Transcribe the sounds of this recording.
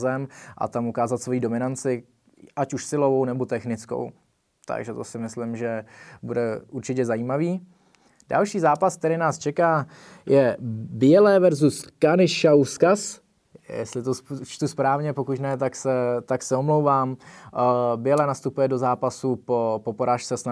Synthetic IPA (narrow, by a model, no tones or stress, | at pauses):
zɛmʔa̰t̪amukaːzat̪svo̞jiːdo̞mɪnant͡sɪ | ʔacuʃsɪlo̞vo̞wnɛbo̞t̪ɛxnɪt͡sko̰w | t̪a̰ɡʒɛt̪o̞̰sɪmɪslɪmʒɛbudɛʔuɾt͡ʃɪcɛzajiːmaviː | da̰lʃiːzaːpask̚t̪ɛɾɪːnaːst͡ʃɛkaː | jɛbɪɛlɛːvɛɾzuskanɪʃawskas | jɛ̰st̪lɪt̪ot͡ʃt̪uspɾaːvɲɛpo̞kucnɛt̪aksɛt̪aksɛomlo̞wvaːm | bɪjɛlɛːnast̪upujɛdo̞zaːpasupopo̞poɾaːʃt͡sɛsna